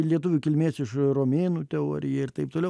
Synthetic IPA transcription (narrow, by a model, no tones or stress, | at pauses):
lʲiɛt̪ʊʋʲuːkʲɪlʲmʲeːsɪʃroːmʲeːnuːt̪ʲɛo̰ːɾʲɪjɛɪrt̪ɐɪp̚t̪oːlʲɛʊ